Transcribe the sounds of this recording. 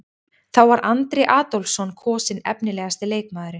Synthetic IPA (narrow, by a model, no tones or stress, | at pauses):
θawvaɾʔant̪ɾɪʔaːt̪owlsɔnkʰɔːsɪnɛ̰pnɪlɛːɣast̪ɪleːjkmaːðʏɾɪ